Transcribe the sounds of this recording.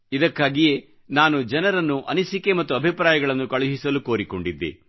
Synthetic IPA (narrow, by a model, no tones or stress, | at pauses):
id̪ɐkːaːɡije̞ | naːnud͡ʒɐnɐɾɐnːuʔɐnisike̞mɐt̪ːuɐbʱipɾaːjɐɡɐɭɐnːukɐɭuɦisɐluko̞ːɾiko̞ɳɖid̪ːḛ